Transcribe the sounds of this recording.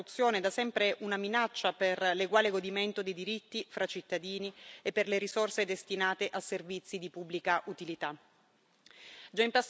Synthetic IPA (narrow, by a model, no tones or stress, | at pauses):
ut̪sːjoːned̪asɛmpɾeʔunaminat͡ʃːaperleɡwaːleɡod̪iment̪od̪ejd̪iɾit̪ːifɾʔat͡ʃːit̪ːad̪iːniepːerleɾisorsed̪est̪inaːt̪eʔasːervit̪sːid̪ipubːlikaʔut̪ilit̪a | d͡ʒaimpas